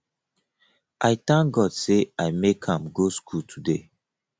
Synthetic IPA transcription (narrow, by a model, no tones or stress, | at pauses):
ʔaɪt̪ãŋɡɔd̥seʔaɪmekhãmɡoskʰultʰude